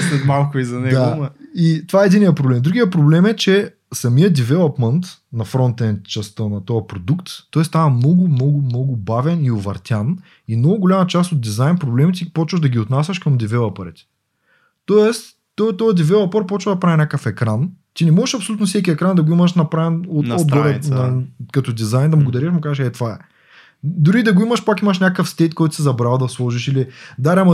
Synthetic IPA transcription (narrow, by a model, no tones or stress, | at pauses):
sɛt̪malˠkʊizɐnɛd̪amit̪ovaɛɛd̪inijəpɾoblɛmd̪ɾuɡʲijəpɾoblɛmɛt͡ʃɛ | sɐmijəd̪ivɛlˠɐpmənt̪nɐfɾɔnt̪ɛnt͡ʃɐst̪ənɐt̪ɔjɐpɾod̪ukt̪ːɔɛst̪avɐmnɔɡʊmnɔɡʊmnɔɡʊbavɛniʊvɐɾt̪ʲjan | imnɔɡʊɡolʲamɐt͡ʃast̪od̪̚d̪izajnpɾoblɛmit̪ʲipɔt͡ʃvəʒd̪ɐɡʲiot̪nasʲɐʃkəmd̪ivɛlˠɐpɐɾɛ̰t̪ɛ̥ | t̪ɔɛst̪ː | ɔt̪ɔjəd̪ɛvɛvˠɐpɔɾpɔt͡ʃvəd̪ɐpɾavinʲakəfɛkɾant̪inɛmɔʒɛʃɐpsolʲut̪nʊfsɛk̬ʲiɛkɾand̪ɐɡoimɐʃnɐpɾavɛnoɔɡɔɾɛnɐkɐt̪ɔd̪izajnd̪ɐmblˠɐɡʊd̪ɐɾiʃmʊkazəʃɛt̪vaɛ̰ | d̪ʊɾiːd̪ɐɡoimɐʃpakimɐʃ̬nʲakəfst̪ɛt̪kɔjt̪ʊsizɐbɾalˠd̪ɐslˠɔʒiʃilid̪aɾɛamɐ